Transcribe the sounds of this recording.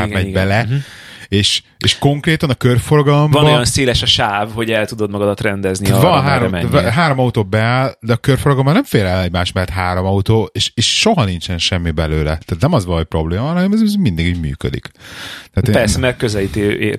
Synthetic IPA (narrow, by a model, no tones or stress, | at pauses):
aɡ̪mɛɟbɛlɛ | eːʃ | eːʃko̞ŋkreːt̪ɒnɒkørfo̞rɡɒlomvɒnboɒjɒnseːlɛʃɒʃaːvho̞ɟɛlt̪ud̪o̞d̪mɒɡɒd̪ɒt̪rɛnd̪ɛznivɒnɦaːɾommɛɦaːɾomɒut̪oːbɛaːld̪ɛɒkørfo̞rɡɒlombɒnɛɱfeːlɛlnɛɟmaːʃtmɛt̪ɦaːɾomɒut̪oːeːʃeːʃʃoɦɒnint͡ʃɛnʃɛmːibɛløːlɛt̪aːt̪nɛmɒzʋɒlpro̞bleːmɦɒlnɛmɛzzmind̪iɡiɟmy̰ːkø̰d̪ḭkt̪ɛaːt̪epɛrssɛmɛrkøzɛlit̪e